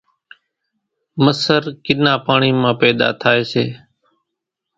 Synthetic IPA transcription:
məsəɾkɪnãːpaːɳiːmãːpɛːd̪a̰ːt̪ʰaːeːseː

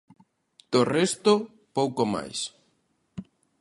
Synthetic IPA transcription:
d̪̥orɛst̪o | powkoma̰js

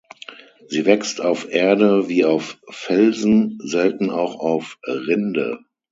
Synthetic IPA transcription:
z̥iːvɛkstaʊfʔeːɐdəviːaʊfːɛlzn̩zɛltn̩aʊxaʊfʁɪndə̰

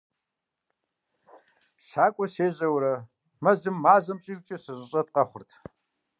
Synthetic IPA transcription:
ʃaːkʷʼɔseːʑɐwɾɐ | mɐzɨmːaːzɐmɕʼiɡʷt͡ʃʼɐsɨɕʷʼɨɕʼɐt̚qɐχʷʊrtʰ

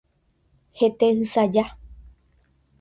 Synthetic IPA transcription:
het̪eɨ̃sad͡ʒa

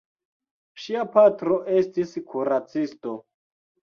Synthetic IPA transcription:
ʃiapatɾo̞ʔe̞stiskʰuɾat͡sisto̞

